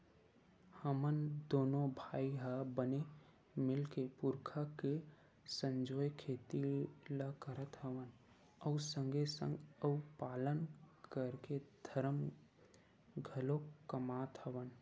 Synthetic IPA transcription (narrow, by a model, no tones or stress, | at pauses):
həmənd̪oːnõbʱaːiɦabəne | mɪlkepʊɾkʰake | sə̃ɲd͡ʒoːjkʰeːt̪ilakəɾət̪ɦəʋən | əusə̃ŋɡesə̰̃ŋɡəupaːlənkəɾked̪ʱəɾəm | ɡʱəlokəmaːt̪ɦəʋən